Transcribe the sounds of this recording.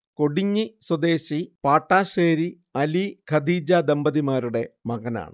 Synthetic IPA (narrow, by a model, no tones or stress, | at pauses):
ko̞ɽiɲːiswɐd̪e̞ːɕipaːʈːaːɕeːɾi | ɐlikʰɐd̪iːd͡ʑaːd̪embɐðimaːɾuɽe̞mɐɣɐna̰ːɳɨ